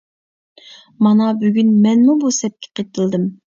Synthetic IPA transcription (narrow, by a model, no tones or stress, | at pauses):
mɑnɑbyɡʲynmɛnmubusɛp̚kʲʰɛ̥qʰət̪ʰɨlˠd̪ɨm